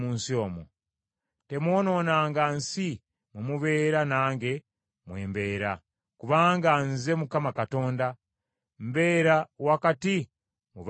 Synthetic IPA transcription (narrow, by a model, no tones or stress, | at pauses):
muːnsio̞ːmo̰ | te̞mwo̞ːno̞ːnaːŋɡansi | mumuβe̞ːɾanaːŋɡe̞ | mweːmbe̞ːɾa̰ | kuβaːŋɡanze̞mukamakato̞ːnda | mbe̞ːɾawakati | muβ